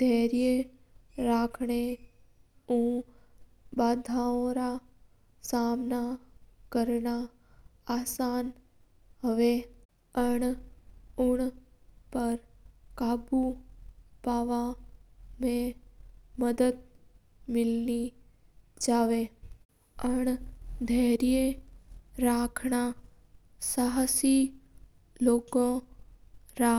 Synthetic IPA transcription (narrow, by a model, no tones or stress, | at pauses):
d̪ʱɛɾije | ɾakʰɳe | ũ | bad̪ʱaõɾa | samnakəɾɳaː | san | ɦəʋe | əɳ | ʊɳpəɾkabu | paːʋa | mẽ | məd̪əd̪̚ | mɪlni | d͡ʒaʋe | əɳd̪ʱeɦɾije | ɾakʰɳa | saɦsi | loːɡõ | ɾa